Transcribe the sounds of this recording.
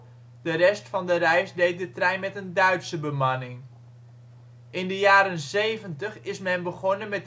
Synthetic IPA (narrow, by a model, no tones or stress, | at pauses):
d̥ərɛstfɑndərɛjsdejt̚dətrɛjnmɛtəndœɥtsəbəmanɪŋ | ʔɪndəjaːɾənzejvəntəχɪsmɛnbəχɔnənmɛt